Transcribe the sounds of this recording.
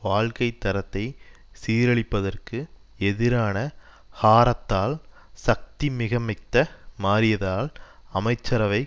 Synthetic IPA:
ʋaːɻkɐɪt̪ːɐɾɐt̪ːɐɪ | siːɾɐɭɪpːɐðɐrkɯ | ɛðɪɾaːnɐ | haːɾɐt̪ːaːl | sɐk̚t̪imɪɣɐmɪt̪ːɐmaːɾɪjɐðaːlɐmɐɪt͡ʃːɐɾɐʋɐɪ

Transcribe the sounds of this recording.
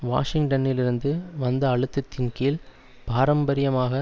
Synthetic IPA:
ʋa̰ːʂɪŋʈɐnɪlɪɾɯnd̪ɯʋɐnd̪ɐːɻɯt̪ːɯt̪ːɪnkiːl | paːɾɐmbɐɾɪjɐmaːɣɐ

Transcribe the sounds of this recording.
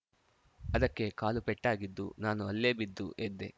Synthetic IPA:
ɐd̪ɐkːe̞kaːlupeʈːaːɡid̪ːṵnaːnuɐlːe̞ːbid̪ːṵʔed̪ːe

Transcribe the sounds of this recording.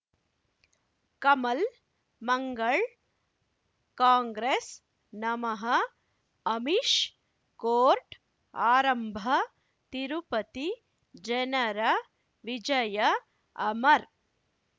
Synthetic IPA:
kɐmɐl | mɐŋɡɐɭ | kaːŋɡɾeːs | nɐmɐɦɐː | miʃ | koːɾʈ | aːɾɐmbʱɐ | t̪iɾupɐt̪i | d͡ʒenɐɾɐ | ʋid͡ʒɐjɐ | ɐmɐɾ

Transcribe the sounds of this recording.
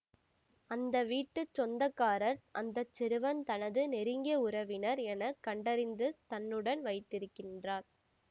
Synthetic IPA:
ɐnd̪ɐʋiːʈːɯt͡ʃːɔnd̪ɐkːaːɾɐɾʔɐnd̪ɐt͡ʃːɛɾɯʋɐnt̪ɐnɐðɯnɛɾɯŋɡɐʊɾɐʋɪnɐɾɛnɐkɐɳɖɐɾɪnd̪ɯt̪ɐnːɯɽɐnʋɐɪt̪ːɪɾɯkːɪndraːɾ

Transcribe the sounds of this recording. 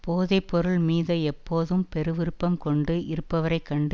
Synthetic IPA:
poːðeːpɔɾɯɭmiːðɐɛpːoːðɯmpɛɾɯʋɪɾɯpːɐmkɔɳɖɯʔɪɾɯpːɐʋɐɾɐɪkːɐɳɖ

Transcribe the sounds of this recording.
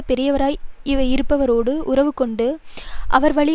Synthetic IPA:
pɛɾɪjɐʋɐɾaːjɪʋɐjɪɾɯpːɐʋɐɾoːɽɯʔʊɾɐʋɯkːɔɳɖɯʔɐʋɐɾʋɐɭɪ

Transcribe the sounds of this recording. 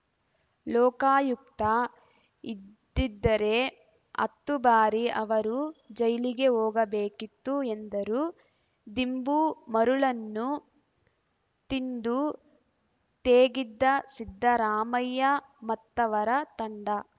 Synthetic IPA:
lɔːkaːjuk̚t̪ɐ | idd̪ːid̪ːɐɾe̞ | ɐ̰t̪ːubaːɾiʔɐʋɐɾud͡ʒɐjliɡe̞ɦoːɡɐbeːkit̪ːuend̪ɐɾu | d̪imbumɐɾuɭɐnːu | t̪ind̪u | t̪eːɡid̪ːɐsid̪ʱːɐɾaːmɐjːɐ | mɐt̪ːɐʋɐɾɐt̪ɐɳɖɐ

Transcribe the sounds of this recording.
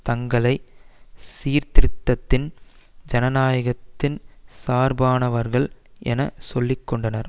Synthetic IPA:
t̪ɐŋɡɐɭɐɪ | siːɾt̪ɪɾɪt̪ːɐt̪ːɪnd͡ʒɐnɐnaːjɐɣɐt̪ːɪnsaːɾbaːnɐʋɐɾɣɐɭʔɛ̰nɐsɔlːɪkːɔɳɖɐnɐɾ

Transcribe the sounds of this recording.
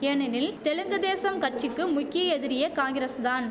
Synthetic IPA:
ɛɳɐnɪlt̪ɛlɯŋɡɐðeːsɐmkɐʈ̚t͡ʃɪkːɯmʊkːɪjɐɛðɪɾɪjɐkaːŋɡɪɾɐsd̪aːn

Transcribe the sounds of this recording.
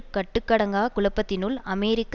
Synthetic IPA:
kɐʈːɯkːɐɽɐŋɡaːkʊɭɐpːɐt̪ːɪnʊlɐmɛːɾɪkː

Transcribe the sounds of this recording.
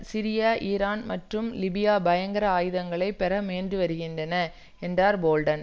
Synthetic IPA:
sɪɾɪjaːʔiːɾaːnmɐʈrɯmlɪbɪjaːbɐjɐŋɡɐɾɐaːjɯðɐŋɡɐɭɐɪpːɛɾɐmeːndrɯʋɐɾɯɣɪndrɐnɐ | ɛndraːɾboːlɖɐn

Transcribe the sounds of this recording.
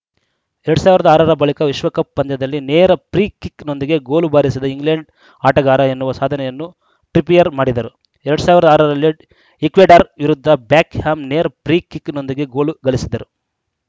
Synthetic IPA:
ɛɾɐɽusaːʋiɾɐd̪ɐaːɾɐɾɐbɐɭikɐʋiʃʋɐkɐpːɐnd̪ɐd̪ɐlːineːɾɐpɾiːkikno̞nd̪iɡe̞ɡo̞ːlubaːɾisid̪ɐiŋɡleɳɖ | aːʈɐɡaːɾɐenːuʋɐsaːd̪ʱɐnɛjɐnːu | ʈɾipijɐɾmaːɽid̪ɐɾu | ɛɾɐɽusaːʋiɾɐd̪ɐaːɾɐɾɐlːi | ekʋeːɖaɾʋiɾud̪ʱːɐbjaːkhaːmneːɾɐpɾiːkːikːno̞nd̪iɡe̞ɡo̞ːluɡɐɭisid̪ɐɾu

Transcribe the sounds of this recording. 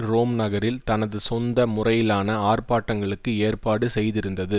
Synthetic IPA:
ɾoːmnɐɣɐɾɪlt̪ɐnɐðɯsɔnd̪ɐmʊrɐjɪlaːnɐaːrpaːʈːɐŋɡɐɭɯkːɯeːrpaːɽɯsɛjðɪɾɯnd̪ɐðɯ

